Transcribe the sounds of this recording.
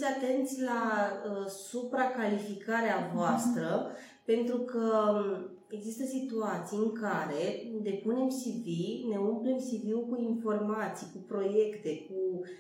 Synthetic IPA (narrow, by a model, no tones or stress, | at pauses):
sʲat̪e̞nt̪sʲla | supɾakalifikaɾeavoast̪ɾə | pe̞nt̪ɾukə | e̞ɡzist̪əsit̪uat̪sijɨŋkaɾe̞d̪e̞pune̞msivine̞umple̞msiviwkuinfo̞rmat̪sijkupɾo̞je̞kt̪e̞ku